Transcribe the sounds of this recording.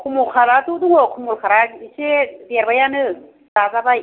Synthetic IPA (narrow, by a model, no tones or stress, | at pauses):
kʰumukʰaɾatuduŋokʰumulkʰaɾaɡiisedeɾbajanɯ | dazabaj